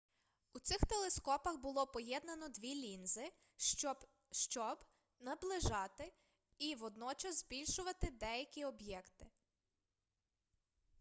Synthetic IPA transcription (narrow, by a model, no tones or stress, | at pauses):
ut̪sɪxt̪elˠeskɔpɐxbʊlˠɔpɔjɛd̪nɐnɔd̪ʋʲilʲinzɪ | ʃt͡ʃɔb | nɐblˠɪʒɑt̪ɪ | iʋɔd̪nɔt͡ʃɐzzbʲilʲʃʊʋɐt̪ɪd̪ɛjɐkʲiɔbjɛkt̪ɪ